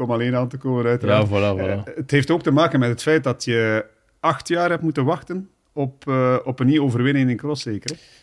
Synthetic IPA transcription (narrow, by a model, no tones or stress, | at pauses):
ɔmɑleːnaːntəkoːmənœɥtəɾaːvɔlaətɦeːftoːk̚təmaːkənmɛtɦətfɛjt̚dɑtjə | ɑxtjaːrɦɛp̚tmutənʋɑxtən | ɔpːɔpənːiwoːvərʋɪnɪŋɪnkrɔseːkəɾə